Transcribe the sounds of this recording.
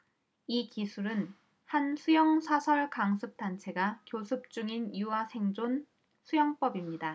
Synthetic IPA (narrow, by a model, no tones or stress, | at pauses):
ikisʰuɾɯn | hansʰujʌŋsʰasʰʌɭkaŋsʰɯp̚t͈ant͡ɕʰe̞ɡakjosʰɯp̚t͡ɕ͈uŋinjuasʰe̞ŋd͡ʑon | sʰujʌŋp͈ʌbimɲida